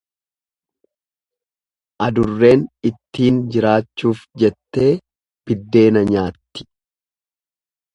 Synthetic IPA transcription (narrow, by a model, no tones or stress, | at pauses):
ʔɐd̪ʊrːe̞ːnɪt̪ːiːnd͡ʒɪɾaːt͡ʃːuːfd͡ʒɛt̪ːe̞ː | b̥ɪd̪ːe̞ːnɐɲaːt̪ːɪ̥